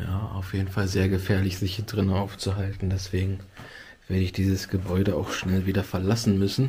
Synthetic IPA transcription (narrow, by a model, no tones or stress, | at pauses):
jaːa̰ʊfjeːdn̩falzeːɐɡəfɛːɐlɪçz̥ɪçhiːɐdʁɪnəaʊft͡suɦaltn̩dɛsv̥eːɡŋ̩ | v̥eːɐdəɪçd̥iːzəsɡ̥əbɔʏɾəa̰ʊxʃnɛlviːdɐfɛɐlasn̩mʏsn̩